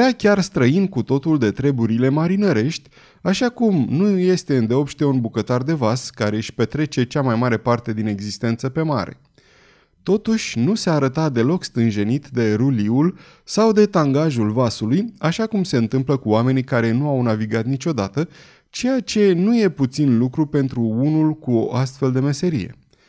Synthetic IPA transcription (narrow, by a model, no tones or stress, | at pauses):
eakʲarst̪ɾəinkut̪o̞t̪uld̪e̞t̪ɾe̞buɾile̞maɾinəɾe̞ʃt̪ʲ | aʃakumnuje̞st̪e̞ɨnd̪eo̞pʃt̪eunbukət̪ard̪e̞vaskaɾe̞ɨʃʲpe̞t̪ɾe̞t͡ʃe̞t͡ʃamajmaɾe̞part̪e̞d̪ine̞ɡzist̪e̞nt̪səpe̞ma̰ɾe̞̰ | t̪o̞t̪uʃʲnuseaːɾət̪at̪̚d̪e̞lo̞kst̪ɨnʒe̞nit̪d̪e̞ɾuliul | sawd̪e̞t̪aŋɡaʒulvasulujaʃakumse̞ɨnt̪ɨmpləkuame̞nikaɾe̞nuawnaviɡat̪nit͡ʃo̞d̪at̪ə | t͡ʃe̞jat͡ʃe̞nuje̞put̪sinlukɾupe̞nt̪ɾuunulkuo̞ʔast̪fe̞ld̪e̞me̞se̞ɾḭje̞̰